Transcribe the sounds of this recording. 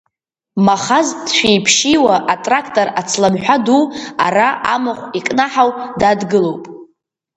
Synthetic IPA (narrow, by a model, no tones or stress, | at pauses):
maχazdʃʷᶣejpʰʃiwaʔatʼrakʰtʼoɾat͡sʰlamħʷᶣaduwa̰raʔamaχʷikʼnaħawdadɡɨlo̞wpʼ